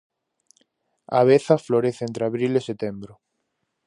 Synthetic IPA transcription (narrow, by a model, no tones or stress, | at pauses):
a̰β̞eθafloɾeθent̪ɾeaβɾileset̪embɾʊ